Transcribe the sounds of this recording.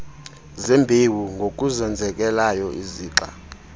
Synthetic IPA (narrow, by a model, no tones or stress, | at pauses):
zembʱewuŋɡʱok̬ʼuzɛnd͡zʱɛk̬ʼɛlajɔʔiziːǁa̰